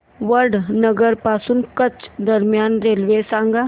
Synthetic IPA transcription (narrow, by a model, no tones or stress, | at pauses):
ʋəɾɖnəɡəɾpaːsunkət͡ʃd̪əɾmijaːnɾeːlʋeːsãːŋɡaː